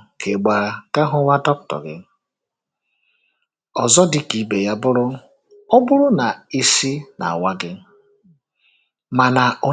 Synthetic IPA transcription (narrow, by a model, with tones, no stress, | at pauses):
kʰe˨ɡ͡ba˨ɾa˨ka˦ɦʊ˦wa˦dɔ˦k̚tɔ̰˨ɡɪ̰˦ | ɔ˨zɔ˦dɪ˦ki˨be˨ja˦bʊ˦ɾʊ˦ | ɔ˦bʊ˦ɾʊ˦na˨i˦si˦na̰˨wa˦ɡɪ˦ | ma˨na˨o˨